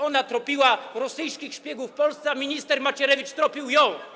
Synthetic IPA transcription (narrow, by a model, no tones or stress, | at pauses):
ɔnat̪ɾɔpʲiwaɾɔsɘjskʲixɕpʲjɛɡufpɔlst̪sɛamʲiɲʲist̪ɛɾmat͡ɕɛɾɛvʲit͡ʂt̪ɾɔpʲiwjɔ̃w̃